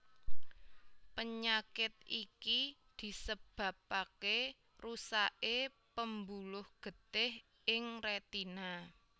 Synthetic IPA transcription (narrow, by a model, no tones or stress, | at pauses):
pəɲakɪt̪̚ikid̪̥i̤səb̥ä̤p̚ake | rusaʔe | pəmbulʊhɡ̥ə̤t̪ɪh | ɪŋret̪ina